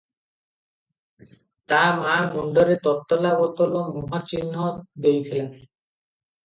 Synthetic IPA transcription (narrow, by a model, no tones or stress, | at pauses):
t̪amamɔɳɖoɾet̪ɔt̪ːolabɔt̪olomoɦat͡ɕinːod̪ejt̪ʰilen